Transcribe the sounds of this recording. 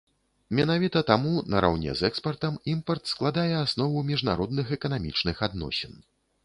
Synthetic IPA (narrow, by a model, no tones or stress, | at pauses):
mʲɛnavʲit̪ɐt̪amunɐɾa̰wnʲɛ̰zɛkspɐrt̪ɐmimpɐrt̪sklˠad̪ajɛasnɔvumʲiʐna̰ɾɔd̪nɨxɛkɐnamʲḭt͡ʂnɨxad̪nɔ̰sʲɛn